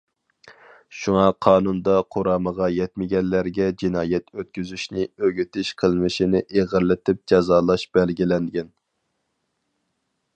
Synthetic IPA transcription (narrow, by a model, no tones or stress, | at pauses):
ʃuŋɑqʰɑːnund̪ɑqʰoɾɑːməʁɑjɛt̪mɪɡʲɛnlːæɾɡʲɛd͡ʒinɑːjɛt̪ʰøt̪̚kʲyzyʃnɪøɡʲyt̪ʰɪʃqʰəlˠmɨʃinɪʔeʁəɾlɪt̪ʰɪp̚d͡ʒɑzɑːlˠɑʃb̥ɛlɡʲilɛnɡʲɛn